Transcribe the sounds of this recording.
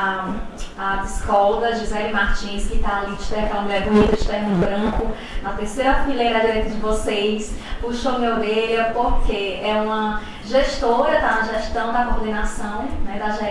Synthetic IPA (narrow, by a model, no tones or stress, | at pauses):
a | ad͡ʒɪskɔwd̪ɐd͡ʒizɛlɪmaɾt͡ʃĩskɪt̪aːlid͡ʒɪ̥t̪ɛɾkɐ̃lluɡaɾbuɲid̪ʊd͡ʒɪ̥t̪ɛɦẽbɾɐ̃kʊ | ɐt̪eɾsejɾɐmɪlẽbɾɐd͡ʒiɾejt̪ɐd͡ʒɪvosejspuʃomeoɡeʎɐpoɾkʰeɛũmɐ | ʒeʃt̪oɾɐd̪ɐʒeʃt̪ɐ̃w̃d̪ɐkoɾd̪ẽnasɐ̃w̃nɛd̪ɐʒɛ